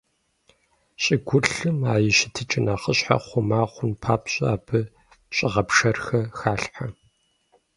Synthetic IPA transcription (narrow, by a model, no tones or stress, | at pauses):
ɕʼɪɡʷʊɬɨmaːjɪʃɪtʰɨt͡ʃʼɪnaːχəɕħa̰χʷʊmaːχʷʊnpʰaːpɕʼɐaːbʰɨ | ɕʼɪʁɐpʂɐrxɐxaːɬħa